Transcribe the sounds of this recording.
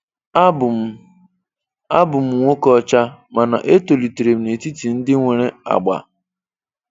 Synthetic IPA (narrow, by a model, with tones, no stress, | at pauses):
a˦bʊ˨m̩˨˦ŋʷo˦kɔ˦t͡ʃa˦ma˨na̰˨ʔe˦to˨li˨te˨ɾe˨m̩˨ne˨ti˦ti˨n̩˦dɪ˦ŋʷe˨ɾe˦a̰˨ɡ͡ba̰˨